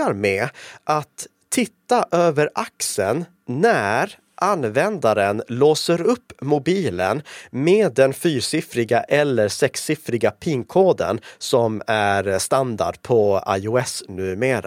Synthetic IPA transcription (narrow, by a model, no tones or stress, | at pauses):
aɾmeːʔat̪ʰː | ɪt̪ːaʔøːvəɾʔaksən | næɾ | ʔanvɛnd̪aɾənloːsəɾɵpːmʊbiːlə̰nmeːd̪ːɛnfyːɾsɪfɾɪɡaʔɛlːəɾʂɛksːɪfɾɪɡapʰɪŋkʰoːd̪ə̰nsɔmæɾst̪and̪a̰ɖpʰɔa̰jʊɛsnʉ̟ːmeːɾa̰